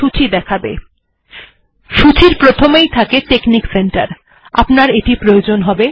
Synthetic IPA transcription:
ut͡ɕʰid̪ɛkʰabḛ | ʃut͡ɕʰiɾpɾot̪ʰomejt̪ʰakeʈeknikseɳʈa̰ɾ | a̰pnaɾeʈipɾojod͡ʑonɦɔbe

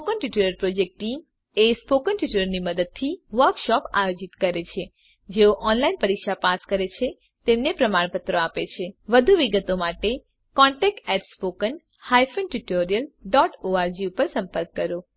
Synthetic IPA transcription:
spokənʈuʈiləɾpɾod͡ʒek̚ʈʈːim | espokənʈuʈiləɾniməd̪əd̪̚t̪ʰiʋəɾkʃɔpa̰jod͡ʒit̪kəɾet͡ʃʰe | d͡ʒeoʔɔnlainpəɾikʃapaskəɾet͡ʃʰe | t̪emnepɾəmaɽpət̪ɾoapet͡ʃʰeʋəd̪ʱuʋiɡət̪omaʈe | kɔɳʈɛk̚ʈɛʈspokən | hajfənʈuʈoɾijəlɖɔʈoaɾd͡ʒiupəɾsə̃mpəɾkːəɾo

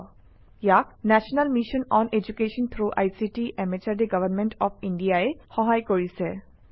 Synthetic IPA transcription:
jaknɛʃɔnalmiʃɔnɔned͡ʑukeʃɔnt̪ʰɾuʔajsiʈiʔɛmet͡ɕaɹdeɡʌʋənmeɳʈɔpʰiɳɖijaexɔɦajkoɹisɛ

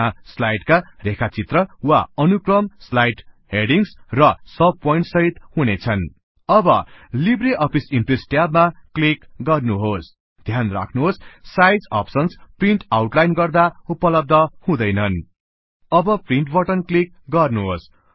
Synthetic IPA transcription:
aslajʈkarekʰat͡sit̪rʌwa̰ʌnukrʌmslajʈ | ɦeɽiŋsrʌsʌb̚pojɳʈsʌɦit̪hunet͡sʰʌn | ʌbʌlibreʔʌpʰisimpresʈjabmaklikɡʌrnuɦos | d̪ʱjanra̰kʰnuɦossajd͡zʌ̰psʌnspriɳʈawʈlajnɡʌrd̪aupʌlʌb̚d̪ʱʌhũd̪ʌjnʌn | ʌbʌpriɳʈbʌʈʌnklik̚ | ɡʌrnuɦos

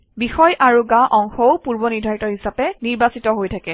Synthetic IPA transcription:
bixɔjʔaɹuɡaʔɔŋxɔʊpuɹbɔniɹdʱajtɔɹhisapɛniɹbasitɔɦojtʰakɛ

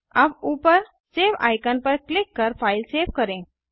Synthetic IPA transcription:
abuːpəɾ | seʋa̰jkənpəɾklɪkːəɾfʰaɪlseʋkəɾẽ

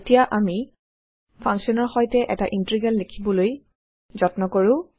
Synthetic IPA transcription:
tijaʔami | pʰãŋksɔnɔɹxɔjtɛʔɛ̰taʔintɹiɡalːekʰibɔloj | zɔtnɔkoɹʊ̃

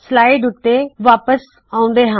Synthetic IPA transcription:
slaːɪɖʊt̪eʋaːpəs | aːũn̆d̪eɦãː

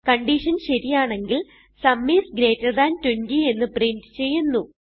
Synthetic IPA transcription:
kɐɳɖiːʂɐnɕɐɾijaːɳe̞ŋɡil | sɐmːiːsɡɾe̞ːtːɐrd̪aːntwendie̞nːɨpriɳtɨt͡ɕe̞jːunːu

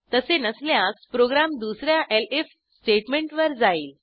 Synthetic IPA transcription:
t̪əsenəsljãkpɾoɡɾamd̪usɾjaʔelef | sʈeʈmeɳʈʋəɾd͡zaiːl

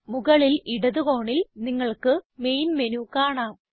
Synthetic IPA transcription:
muɣɐɭiliɽɐðuɣo̞ːɳilniŋːɐɭkɨme̞jnmenukaːɳaːm

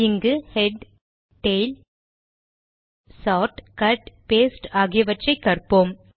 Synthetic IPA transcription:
ɪŋɡɯhɛɖ | ʈeːl | saːʈkɐʈpeːsʈaːɣɪjɐʋɐʈrɐɪkːɐrpoːm

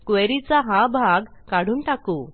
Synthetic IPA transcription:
kʋeɾit͡saɦãbʱaɡkaɽ̤uːnʈakuː

